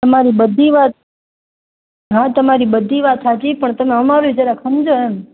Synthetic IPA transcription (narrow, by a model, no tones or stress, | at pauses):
t̪əmaɾibəd̪ʱiʋat̪̚ | ɦãt̪əmaɾibəd̪ʱiʋat̪sat͡ʃipəɳt̪əmẽəmaɾod͡ʒəɾakʰəmd͡ʒoɦɛn